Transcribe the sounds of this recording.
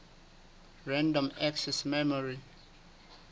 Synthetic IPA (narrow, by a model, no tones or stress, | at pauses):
ɹãndɔ̃mɛksɛsmɛmɔɹi